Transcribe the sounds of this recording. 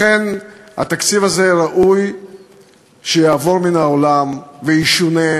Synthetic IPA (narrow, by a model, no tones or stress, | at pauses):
enha̰t̪akt͡sivazeʁaʔuj | ʃejaːvo̞ʁminaolamveiʃune